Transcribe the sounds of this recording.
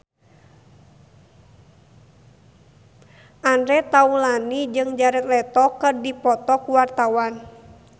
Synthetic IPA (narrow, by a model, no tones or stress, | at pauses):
ʔandɾɛt̪aulanid͡ʒɨŋd͡ʒaɾɛt̪̚lɛt̪ɔkərdipɔt̪ɔkuwart̪awan